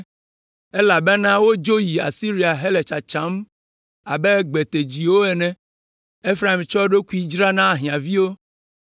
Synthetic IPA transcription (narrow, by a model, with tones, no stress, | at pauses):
ɛ˦la˨bɛ˦nã˦wo˦d͡ʒo˦ji˨a̰˨si˦ɾi˨˦a˨ɦe˦lɛ˨t͡ʃa˨t͡ʃã˨˦m | a˨bɛ˦ɡ͡bɛ˨t̪e˨d͡ʑi˨wo˦ɛ˨nɛ̃˨ | e˦fɾa˨i˨mt͡ʃɔ˦ɖo˦ku˦i˦d͡ʒɾa˦nã˦˨ɦĩ˨ã˨vi˦wo˦